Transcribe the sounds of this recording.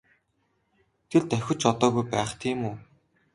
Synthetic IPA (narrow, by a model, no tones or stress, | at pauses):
t̪ʰĕɮt̪æxʲʊ̆t͡ɕɔt̪ɔːɣujpæːχt̪ʰiːmuː